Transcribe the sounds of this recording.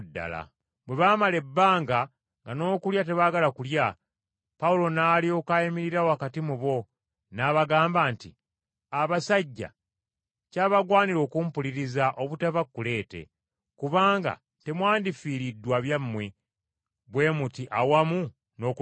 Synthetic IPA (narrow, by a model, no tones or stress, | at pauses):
dːa̰la̰ | bwe̞βaːmale̞bːaːŋɡa | ŋɡano̞ːkuljat̬e̞βaːɡalakulja | paulo̞naːlio̞kajimiɾiɾawoakatimuβo̞ | naβaɡaːmbaːnti | aβasaɟːa̰ | caːβaɡwaːniɾo̞ːkumpuliɾizaʔo̞βutavakːule̞ːte̞̰ | kuβaːŋɡa̰ | te̞mwaːndifiːɾidːwaβjamːwe | βwe̞ːmutiʔawamu | no̞k